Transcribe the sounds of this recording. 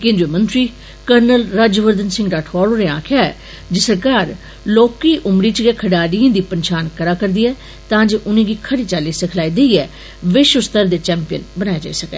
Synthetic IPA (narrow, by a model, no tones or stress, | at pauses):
kɪ̃nd͡ʒ̪emə̃nt̪ɾiː | kəɾnəlɾad͡ʒʋəɾd̪ənsɪ̃ŋɡɖ̪aːʈʰɔːloːɾeːãːkʰjaːɛː | d͡ʒɪsəɾkaːɾ | loːkiːʔʊmɾiːt͡ʃɡeːkʰəɽaːɽiːẽːd̪iːpənʃaːnkəɾaːkəɾd̪iːɛː | t̪ãːd͡ʒeːʔʊnẽːɡiːkʰəɽiːt͡ʃaːliːsəkʰlaːiːd̪eiːɛː | ʋɪʃwəst̪əɾd̪eːt͡ʃɛ̃ːmpɪjə̰nbənaːjad͡ʒa̰ːisəkɛ̰ː